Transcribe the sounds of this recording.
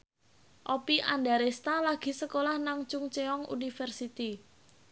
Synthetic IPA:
ʔɔpiʔanɖaɾest̪alaɡ̥i̤səkolahnaŋt͡ʃʊŋt͡ʃeɔŋṵnifərsit̪i

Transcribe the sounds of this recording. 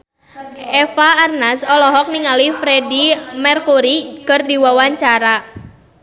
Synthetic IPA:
ʔɛfaːrnasɔlɔɦɔk̚niŋalifɾedimɛrkuɾikərdiwawaɲt͡ʃaɾa

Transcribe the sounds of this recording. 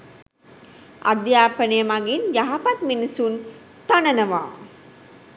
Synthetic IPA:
a̰d̪jaːpənəjəmaɡinjaɦapat̪minisun | t̪anənəʋaː

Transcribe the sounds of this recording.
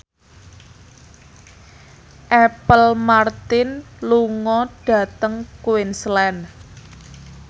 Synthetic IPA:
ʔɛpəlmart̪ɪnluŋɔɖ̥a̤t̪əŋkuwɪnslɛn

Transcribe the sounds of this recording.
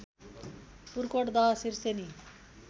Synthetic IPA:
puɾkoʈd̪asiɾseni

